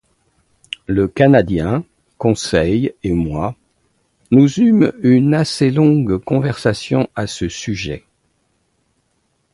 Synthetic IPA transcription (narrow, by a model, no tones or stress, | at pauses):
ləkanad̪jɛ̃ | kɔ̃sɛjemwa | nuzymynaselɔ̃ɡkɔ̃vɛʁsasjɔ̃asəsyʒɛ̰